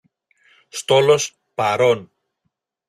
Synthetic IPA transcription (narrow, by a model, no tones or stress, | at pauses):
st̪o̞lo̞s | pɐɾo̞n